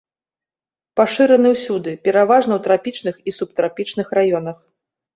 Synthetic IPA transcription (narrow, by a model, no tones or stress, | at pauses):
paʂɨɾɐnɨwsʲud̪ɨpʲɛɾavaʐn̪ɐwt̪ɾapʲit͡ʂnɨxisup̚t̪ɾapʲit͡ʂnɨxrajɔnɐx